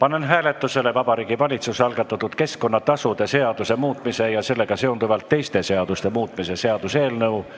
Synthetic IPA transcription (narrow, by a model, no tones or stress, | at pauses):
pɑnːenɦæːle̞t̪ːˑuse̞le̞vɑb̥ɑɾiːɡ̥ivɑlʲit̪suseɑlɡɑt̪ːˑɑt̪ːˑut̪ke̞sko̞nːɑt̪ɑsud̪̥e̞se̞ɑd̪̥use̞muːt̪ːˑmise̞jɑse̞lːe̞ɡ̥ɑse̞ond̪uvɑlt̪ːe̞jst̪e̞se̞ɑd̪̥ust̪e̞muːt̪ːˑmise̞se̞ɑd̪̥use̞ːlnɤw